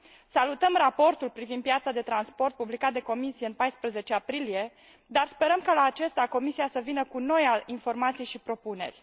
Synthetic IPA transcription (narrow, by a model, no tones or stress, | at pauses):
salut̪əmrapo̞rt̪ulpɾivind̪̚pjat̪sad̪e̞t̪ɾanspo̞rt̪̚publikat̪̚d̪e̞ko̞misijeɨnpajspɾəze̞t͡ʃeapɾilije̞ | d̪arspe̞ɾəmkalaːt͡ʃe̞st̪ako̞misiasəvinəkuno̞jainfo̞rmat̪sijʃipɾo̞pune̞̰rʲ